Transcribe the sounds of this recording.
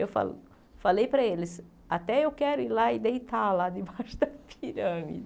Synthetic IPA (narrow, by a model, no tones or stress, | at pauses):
ewfa̰l | falejpɾɐelɪs | at̪ɛewkɛɾʊilaid̪ejt̪alad̪ɪbaʃʊd̪ɐpʰiɾɐ̃mḭd̪